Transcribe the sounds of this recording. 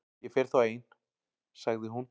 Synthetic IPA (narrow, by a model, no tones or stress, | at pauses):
jɛfɛɾ̥θaeːjn | saɣðɪɦun